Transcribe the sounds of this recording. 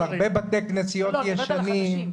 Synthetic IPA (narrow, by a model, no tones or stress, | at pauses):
aʁbebat̪eknesijot̪jeʃanim